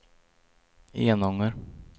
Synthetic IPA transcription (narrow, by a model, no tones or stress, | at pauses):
ḛːnɔŋːəɾ